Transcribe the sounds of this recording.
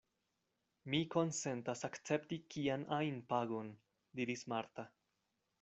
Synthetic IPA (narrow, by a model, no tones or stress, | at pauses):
miko̞nse̞ntasakt͡se̞ptikʰianʔajnpaɡo̞n | diɾismaɾta